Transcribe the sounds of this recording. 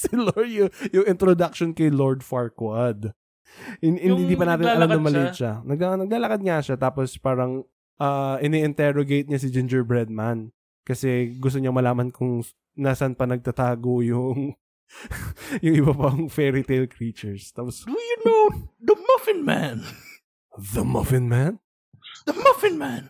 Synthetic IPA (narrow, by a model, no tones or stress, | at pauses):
sɪloɹjʊjʊŋɪnt̪ɾod̪ak̚ʃonkɐjloɹd̪faɹkwad̪ | ɪɪnɪnd̪ipɐnaːt̪ɪnlɐlamɐmːɐlɛʃanɐɡ̚anɐɡ̚laːlɐkad̪̚ŋaʃat̪aːpospaːɾɐŋ | ʔaːʔɪnɛʔɪnt̪ɛɾoɡejt̪̚ɲasɪd͡ʒɪnd͡ʒɛɹbɹɛd̪̚man | kɐsɛɡʊst̪oɲɐŋmɐlaːmɐnkʰʊŋ | naːsɐnpɐnɐɡ̚t̪ɐt̪aːɡojʊŋ | jʊŋʔɪbapɐŋfɛɹit̪ejlkɾiːt͡ʃɛɹst̪aːposdjunod̪ɐmɐfɪnma̰n | ðɐmɐfɪnman | d̪ɐmɐfɪnmãn